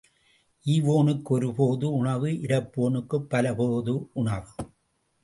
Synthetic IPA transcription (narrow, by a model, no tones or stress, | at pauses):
ʔiːʋoːnɯkːɔɾɯpoːðɯʊɳɐʋɯʔɪɾɐpːoːnɯkːɯpːɐlɐpoːðɯʊɳɐʋɯ